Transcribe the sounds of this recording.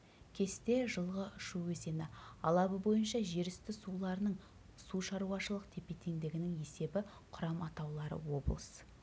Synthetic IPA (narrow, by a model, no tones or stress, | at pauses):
kʲʰe̞st̪e̞ʒəlˠʁəʃuwɵze̞nɪɑlˠɑbəbo̞jənʃɑʒe̞ɾɪst̪ɪsulˠɑɾənəɴ | suʃɑɾuɑʃəlˠəqt̪ʰe̞pe̞t̪ʰe̞ŋd̪ɪɡʲɪnɪŋe̞se̞bɪ | qʰʊɾɑmɑt̪ɑwlˠɑɾə̰wo̞̰blˠəs